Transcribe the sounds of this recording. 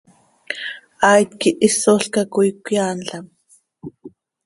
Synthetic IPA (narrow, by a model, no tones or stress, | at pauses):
ajt̪kiʔisoɬkakujkʷjaːnɬam